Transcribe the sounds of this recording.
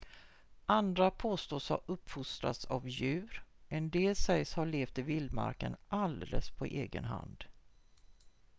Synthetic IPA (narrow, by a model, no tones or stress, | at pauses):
ʔand̪ɾapʰoːst̪oːsha̰ɾɵpːfʊst̪ɾa̰t̪savjʉ̟ːɾɛnd̪eːlsɛjshaɭeːft̪ɪvɪld̪ma̰ɾkənʔald̪ɛləspʰɔʔeːɡə̰nɦa̰nd̪